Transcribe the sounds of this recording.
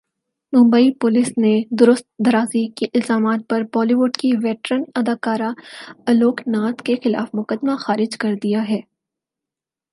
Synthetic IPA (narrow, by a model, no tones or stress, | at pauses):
mʊ̃mbəipʊlɪsned̪ʊɾʊst̪̚d̪ɐɾaːzikiʔɪlzaːmaːt̪̚pɐɾbɔːliʋʊɖkiʋɛːʈɾənɐd̪aːkaːɾaɐloːknaːt̪kexɪla̰ːfmʊkəd̪maxaːɾɪd͡ʒkɐɾd̪ijaɦɛː